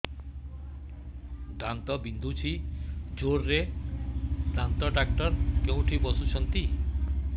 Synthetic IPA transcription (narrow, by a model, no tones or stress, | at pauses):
ɖant̪ɔbind̪ʱut͡ʃʰid͡ʒoɾːe | ɖ̪ant̪ɔɖak̚ʈɔɾkew̃ʈʰibɔsut͡ʃʰɔnt̪i